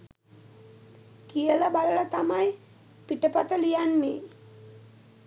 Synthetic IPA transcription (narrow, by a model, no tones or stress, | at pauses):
kijələbaləɭat̪amaj | piʈəpat̪əlijanːe